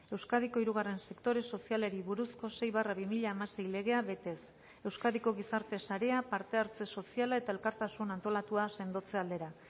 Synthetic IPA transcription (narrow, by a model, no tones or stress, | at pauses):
e̞wskaðiko̞iɾuɣ̞are̞nse̞kt̪o̞ɾe̞so̞siale̞ɾiβuɾusko̞se̞jβaraβimiʎaːmase̞jle̞ɣ̞e̞aβe̞t̪e̞s | e̞wskaðiko̞ɣ̞isaɾt̪e̞saɾe̞apaɾt̪e̞aɾt͡se̞so̞sialae̞t̪ae̞lkaɾt̪asunant̪o̞lat̪uase̞nd̪o̞t͡se̞ald̪e̞ɾa